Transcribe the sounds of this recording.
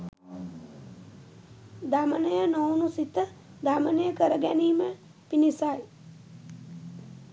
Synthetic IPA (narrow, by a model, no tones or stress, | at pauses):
d̪aːmənəjənownũsit̪ːə | d̪amənəjəkəɾəɡɛnimẽ | pinisaːj